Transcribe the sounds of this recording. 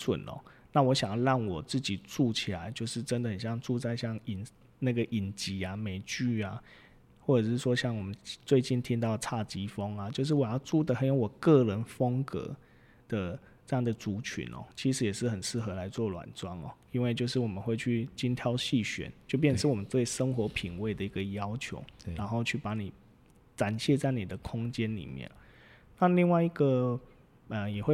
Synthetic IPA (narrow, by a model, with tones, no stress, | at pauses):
swə̰˨˩nʔɔ̰˨˦na˥˨wɔ˧˦ɕjɑ˨˩ŋɻɑ˥˩ŋwɔ˨˩t͡sɹ̩˥˩t͡ɕi˨˩t͡su˥˧t͡ɕʰi˨˩la˧˦ɪt͡ɕjo˥˧ʊʂɻ̩˥˩ʈ͡ʂə˦nd̪ə˨hə˨˩nɕjɑ˥˧ŋʈ͡ʂu˥˧t͡sa˥˧ɪɕjɑ˥˩ŋi˨˩n | na˥˩ɡə˨ʔi˨˩nt͡ɕi˧˥a˨me˨˩ɪt͡ɕy˥˩a˨˦ | wɔ˥˩ʈ͡ʂɤ˨˩ʂɻ̩˥˩ʂwɔ˥ɕjɑ˥˩ŋwɔ˨˩mə˦nt͡swe˥˧ɪt͡ɕi˥˩nt̪ʰi˥ŋt̪ɑ˥˧ʊt͡sʰa˥˩t͡ɕi˧˥fo˦ŋa˨t͡ɕjo˥˧ʊʂ̬ɻ̩˥˩wɔ˨˩jɑ˥˧ʊt͡su˥˩d̪ə˨xə˨njo˧˥wɔ˨˩kə˥˩ɻə˧˥nfə˥ŋkɤ̰˧˦ | d̪̥ə˨ | t͡sɤ˥˧jɑ˥˩ŋd̪ə˩t͡su˧˥t͡ɕʰy̰˧˦nʔɔ̰˨˩t͡ɕʰi˧˥ʂɻ̩˨˥jɛ˨˩ʂɻ̩˥˩xə˨˩nsɹ̩˥˩xɤ˧˦la˧˦ɪt͡swɔ˥˩lwa̰˨˩nt͡swa˦˥nɔ̰˨˩i˦nwe˥˧ɪt͡ɕjo˥˧ʊʂɻ̩˥˩wɔ˨˩mə˦nxwe˥˧ɪt͡ɕʰy˥˩t͡ɕi˥nt̪ʰjɑ˥ʊɕi˥˩ɕɥɛ̰˨˦nt͡ɕjo˥˧ʊp̬jɛ˥˧n˩ʂɻ̩˥˩wɔ˨˩mə˦nt͡swe˥˩ɪʂə˦ŋxwɔ˧˥pʰi˨˩ŋwe˥˩ɪd̪ə˨˩i˧˥ɡə˨jɑ˦˥ʊt͡ɕʰjo̰˧˦ʊɻa˧˥nxo˥˧ʊt͡ɕʰy˥˩pa˧˥ni˨˩ | ʈ͡ʂa˨˩nɕjɛ˥˧t͡sa˥˩ɪni˨˩d̪ə˦kʰʊ˥ŋt͡ɕjɛ˦nlḭ˨˩mjɛ̰˥˨˩n˨ | na˥˨li˥˧ŋwa˥˩ɪi˧˦ɡə˨ | ə˨˩jɛ˨˩xwe˥˧˩